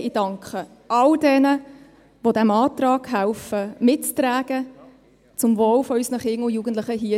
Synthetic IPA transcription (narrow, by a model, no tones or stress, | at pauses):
ɪd̥ɑŋkχə | ʔɑldɛnə | ʋodæmɑːt̪rɑːɡ̥ɦælfəmɪtt͡stɾæːɡ̥ə | t͡sʊmvoːlfɔysnəχɪŋʊjuːɡən̩t̪lɪχəɦiə